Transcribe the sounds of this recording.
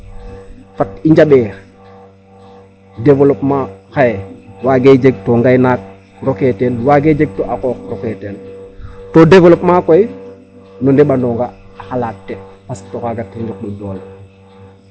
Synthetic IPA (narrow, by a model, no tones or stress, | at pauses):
fatiɲd͡ʒaɓeːɾ | devolopmaxajewaɡed͡ʒeɡ̚toŋɡajnaːk̚ | ɾoketenwaɡed͡ʒeɡ̚toʔakɔːk̚ɾoketeːntodevolopmakoj | nɔndeɓandɔŋɡaː | xalaːtːepastokaɡatːinduk̚ɗudoːl